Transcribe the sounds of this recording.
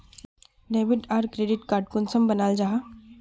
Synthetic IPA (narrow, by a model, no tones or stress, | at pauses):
ɖeːbɪʈaːɾkɾeːɖɪʈkaːɾʈkʊnsəmbɐnaːld͡ʒaːɦa